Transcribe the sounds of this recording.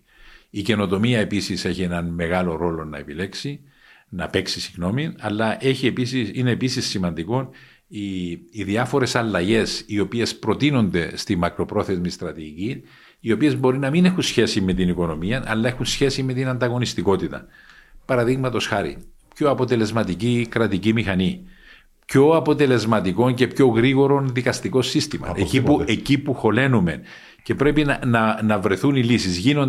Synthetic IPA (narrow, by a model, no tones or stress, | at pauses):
ice̞no̞t̪o̞miɐe̞pisise̞çie̞nɐnme̞ɣɐlo̞ɾo̞lo̞nɐ̰e̞pile̞ksi | nɐpe̞ksisiɣno̞minɐlːɐʔe̞çiepisiine̞ːpisisːimɐnd̪iko̞n | iːðiɐfo̞ɾe̞sɐlːɐʝe̞sio̞pie̞spɾo̞t̪ino̞nd̪e̞st̪imːɐkɾo̞pɾo̞θe̞zmist̪ɾɐt̪iʝicin | io̞pie̞zbo̞ɾinɐmine̞xunsçe̞sime̞t̪iniko̞no̞miɐnɐ̰lːɐe̞xunsçe̞sime̞t̪inɐnd̪ɐɣo̞nist̪iko̞t̪it̪ɐ̰ | pɐɾɐðiɣmɐt̪o̞sxɐɾḭ | pço̞ɐpo̞t̪e̞le̞zmɐt̪icikɾɐt̪icimixɐni | pço̞ɐpo̞t̪e̞le̞zmɐt̪iko̞ɲce̞pço̞ɣɾiɣo̞ɾo̞nðikɐst̪iko̞sːist̪imɐ̰eipuecipuxo̞le̞nume̞̰n | ce̞pɾe̞pinɐnɐnɐvɾe̞θunilisizʝinon